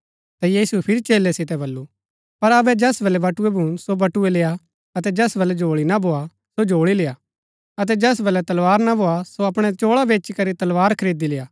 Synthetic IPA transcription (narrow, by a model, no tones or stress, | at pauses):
t̪ajiːsuɛpʰɪɾit͡ʃeːlːɛsɪt̪ɛbɐlːu | pɐɾɐbɛd͡ʒɛsbɐlɛbɐʈʊɛbʱʊ̃ːɽ̃sobɐʈuɛleːa | ɐt̪ɛd͡ʒɛsbɐlɛd͡ʒoːɭinabʱoːa | sod͡ʒoːɽileːa | ɐt̪̬ɛd͡ʒɛsbɐlɛt̪ɐlʋaːɾnabʱoːasoɐpɽ̃ɛt͡ʃoːɭabeːt͡ʃikɐɾit̪ɐlʋaːɾkʰɐɾeːd̪ileːaː